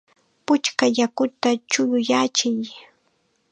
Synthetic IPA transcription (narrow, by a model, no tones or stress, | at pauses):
pʊt͡ʃkajakʊt̪at͡ʃʊjʊjat͡ʃɪj